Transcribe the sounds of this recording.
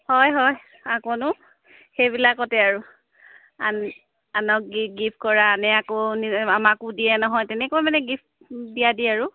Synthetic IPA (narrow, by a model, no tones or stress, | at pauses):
hɔjɦɔj | akɔnʊ | xejbilakːɔtɛaɹʊ | an | anɔk̚ɡiɡipʰkɔɹaːnɛakoniamakʊdijɛnɔɦɔjtɛnɛkojmanɛɡip | diadiaɹʊ